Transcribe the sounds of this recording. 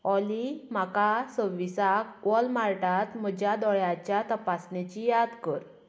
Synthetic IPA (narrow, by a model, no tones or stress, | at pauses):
ɔlim̤akasəʋisakʋɔlmaɾʈat̪m̤əd͡ʑjad̪ɔɭjat͡ɕjat̪əpasnet͡ɕijad̪kəɾ